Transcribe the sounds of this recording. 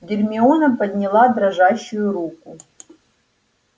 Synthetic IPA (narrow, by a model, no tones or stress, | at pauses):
dʲɪrʲmʲiunɐpɐd̪ʲnʲilˠad̪ɾɐʐaɕːʊjʊɾukʊ